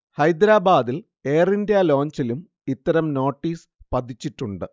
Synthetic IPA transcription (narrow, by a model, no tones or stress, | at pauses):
hɐjd̪ɾaːbaːd̪il | eːrindjalo̞ːɲt͡ɕilum | it̪ːɐɾɐmno̞ːʈːiːs | pɐt̪ːit͡ɕːiʈːuɳɖɨ